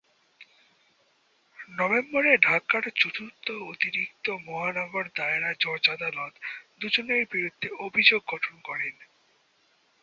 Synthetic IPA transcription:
nɔbemboɾeɖʱakːaɾt͡ɕut̪ʰut̪oot̪iɾikt̪omɔɦanɔɡoɾd̪aeɾad͡ʑɔɾd͡ʑad̪alɔt̪d̪ud͡ʑoneɾbiɾud̪ʱːeobʱid͡ʑoɡːɔʈʰonkɔɾen

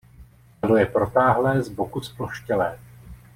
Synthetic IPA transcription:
lojɛpɾo̞t̪aːɦlɛːzbokuspoʃcɛlɛː

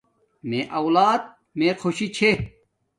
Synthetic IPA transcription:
meʔɐwlaːd̪̚ | mẽqʰoɕit͡ɕʰe

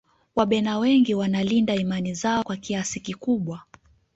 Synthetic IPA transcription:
waɓɛnawɛŋɡiwanalindaimanizaɔkwakiasikikuɓwa

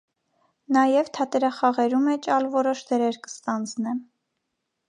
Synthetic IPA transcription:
nɑjɛvt̪ʰɑt̪ɛɾɑχɑʁɛɾumɛt͡ʃɑlvɔɾɔʃd̪ɛɾɛɾkə̥st̪ɑnd͡znɛm

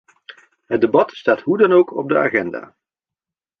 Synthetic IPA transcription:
ɦəd̚debɑtstaːtɦudɑnowkɔ̰b̚dəaːχɛnda̰ː

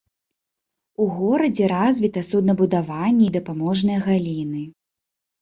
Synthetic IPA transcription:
uɣɔɾɐd͡zʲɛɾazʲvʲit̪ɐsud̪nɐbud̪avanʲːɛid̪ɐpamɔʐnɨjɐɣalʲinɨ

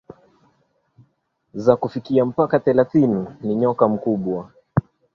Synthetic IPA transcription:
zakufikiam̩pakaθɛlaθininiɲɔkam̩kuɓwa

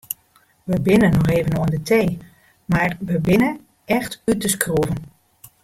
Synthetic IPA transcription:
ʋəbɪnənɔxeːvənoəndətej | marʋəbɪnə | ɛxtytəskruvən

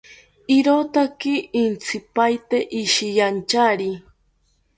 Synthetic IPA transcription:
iɾot̪akiːnt͡sʰipajt̪eʔiʃijant͡ʃaɾi

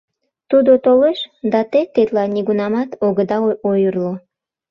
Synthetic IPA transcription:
t̪ud̪ot̪oleʃd̪ɑt̪et̪et̪lɑniɣunɑmɑt̪oɣəd̪ɑojərlo

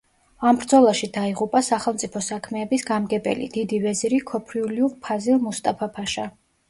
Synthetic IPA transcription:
ambɾd̪zɔlˠaʃid̪aiʁupʼasaχɛlˠmt̪sʼipʰɔsakʰmɛːbisɡamɡɛbʼɛ̰lḭd̪̥id̪ivɛziɾikʰɔpʰɾiuliuʁpʰazilˠmust̪ʼapʰapʰaʃa

